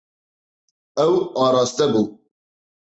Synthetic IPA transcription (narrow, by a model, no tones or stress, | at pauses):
ɛwɑːɾɑːst̪ɛbu